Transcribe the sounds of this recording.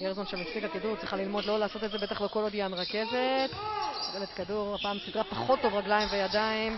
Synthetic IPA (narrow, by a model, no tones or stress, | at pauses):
eʁzonʃelmafsikakaduʁt͡sʁiχalilmo̞d̪lo̞laːso̞t̪et̪ze̞be̞t̪aχleko̞lod̪jameʁake̞zet̪ʁelet̪kaduʁapaːmsid̪ʁapaχo̞t̪ːo̞vʁaɡlaimvejad̪aim